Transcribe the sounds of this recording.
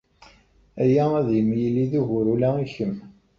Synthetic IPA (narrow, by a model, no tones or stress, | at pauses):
æjææðjəmːjəlːiðuʝʊɾulæiçəm